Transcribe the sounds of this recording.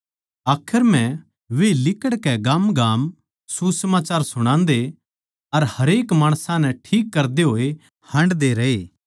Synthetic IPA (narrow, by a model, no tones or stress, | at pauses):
aːkʰəɾmɛ̃ | ʋeːlɪkəɽkɛɡaːmɡaːm | susəmaːt͡ʃaːɾsʊɽ̃ãːnd̪e | ɐɾhɐɾeːkmaːɽ̃sãnɛ̃ʈʰiːkːɐɾd̪eɦoːe | hɐ̃ɳɖd̪eɾɐeː